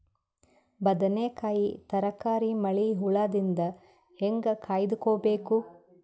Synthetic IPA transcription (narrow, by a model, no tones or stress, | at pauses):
bɐd̪ɐneːkaːjit̪ɐɾɐkaːɾimɐɭiɦuɭaːd̪ind̪ɐ | heŋɡɐkʰaːjd̪ukoːbeːku